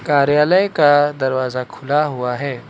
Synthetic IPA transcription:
kaːɾjaːləjkad̪ɐɾwaːzakʰʊlaɦʊaɦɛː

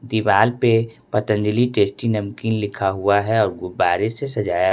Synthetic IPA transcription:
d̪iʋaːlpepɐt̪ə̃nd͡ʒəliʈeːsʈinɐmkiːnlɪkʰaɦuaɦɛɔːɾɡʊbaːɾesesɐd͡ʒaːja

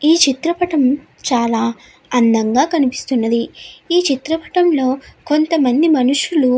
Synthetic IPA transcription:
iːt͡ʃit̪ɾɐpɐʈɐm | t͡ʃaːlaː | ɐnd̪ɐŋɡaːkɐnipi̥st̪unːɐd̪iiːt͡ʃit̪ɾɐpɐ̥ʈɐmlo̞ːko̞nt̪ɐmɐnd̪imɐnuʂulu

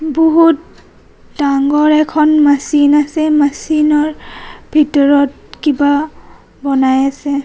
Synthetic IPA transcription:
boɦut | daŋɡɔɹɛkʰɔnmasinasɛmasinɔɹbʱitɔɹɔt̚ | kiba | bɔnajasɛ

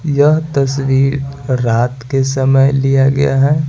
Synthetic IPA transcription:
jɐɦt̪ɐs̬wiːɾɾaːt̪kesɐməjlijaɡɐ̰ja̰ɦɛː

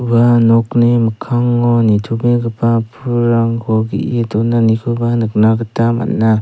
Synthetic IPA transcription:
banɔkniməkʰaŋːɔnitʰubeɡɯpapʰuɾaŋkʰɔɡḭʔidɔnanikʰɯbanɯk̚naɡətama̰nːa

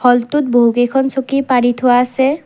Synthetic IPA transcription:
hɔlt̪ut̪̚boɦukekʰɔnsʰokipaɽit̪ɦoaːse

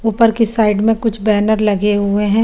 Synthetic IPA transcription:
upəɾkisaːɪɖmẽkʊt͡ʃʰbɛːnəɾlɐɡeɦueɦɛ̃ː

